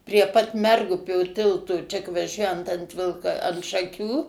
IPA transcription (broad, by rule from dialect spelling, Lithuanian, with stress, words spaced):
pʲrʲiɛ pɐt ˈmʲɛrɡʊpʲoː ˈtʲɪlˠtoː t͡ʃʲɛ k ʋɐˈʒʲuɔjɛnt ɐnt ˈʋʲɪlˠkɐ ɐnt ʃɐˈkʲuː